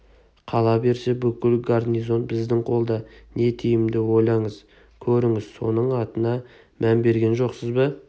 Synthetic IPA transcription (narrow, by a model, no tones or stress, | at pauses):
qʰɑlˠɑbe̞ɾse̞bʏkʲɪlɡarnʲijzo̞nbɪzd̪ɪŋqʰo̞lˠd̪ɑne̞t̪ʰijɪmd̪ɪwo̞jlˠɑɴəz̥ | kʲʰɵɾɪŋɪzso̞nəɴɑt̪ənɑ | mænbe̞ɾɡʲe̞nʒo̞qsəzbɪ